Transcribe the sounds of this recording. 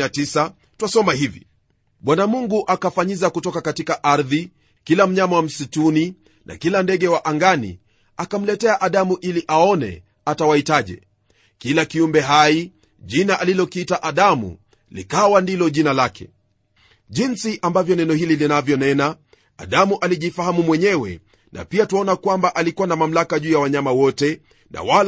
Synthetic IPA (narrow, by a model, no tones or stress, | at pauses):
atisa | twasɔmahivḭ | ɓwanamuŋɡuʔakafaɲizakutɔkakatikaʔaɾði | kilam̩ɲamawam̩situni | nʔa̰kilandɛɠɛwaʔaŋɡanḭ | akam̩lɛtɛaʔaɗamuʔiliʔaɔnɛ̰ | atawahitaʄɛ̰ | kilakiumbɛɦai | ʄinaʔalilɔkitaʔaɗamṵ | lḭkawandilɔʄinalakɛ̰ | ʄinsiʔambavjɔnɛnɔhililinavjɔnɛnaː | ɗamuʔaliʄifahamumwɛɲɛwɛ̰ | na̰piatuɔnakwambaʔalikuwanamam̩lakaʄuːjawaɲamawɔtɛ | nʔa̰wal